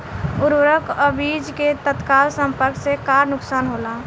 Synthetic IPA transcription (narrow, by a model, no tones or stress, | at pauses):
ʊɾwɾəkəbid͡ʒket̪ət̪kaːlsə̃mpəɾksekaːɾnʊksaːnɦoːlaː